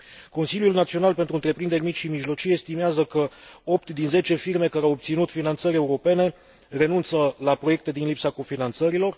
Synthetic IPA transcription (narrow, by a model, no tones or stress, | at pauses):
ko̞nsiljulnat̪sio̞nalpent̪ɾuɨnt̪ɾe̞pɾind̪emit͡ʃʃimiʒlo̞t͡ʃijeest̪imeazəkəo̞pt̪d̪inze̞t͡ʃe̞firme̞kaɾeawop̚t̪sinut̪finant̪səɾʲe̞uɾo̞pe̞ne̞ | re̞nunt̪səlapɾo̞je̞k̚t̪e̞d̪inlipsako̞finant̪səɾilo̞r